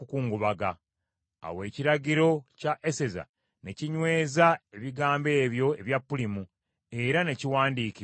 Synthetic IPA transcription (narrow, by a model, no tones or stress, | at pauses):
ukuːŋɡuβaɡa | a̰we̞ːciɾaɟiɾo̞caʔe̞se̞za̰ | ne̞ciɲwe̞ːzae̞βiɡaːmbe̞ːβjo̞e̞βjapːulimu | e̞ɾane̞ciwaːndiːki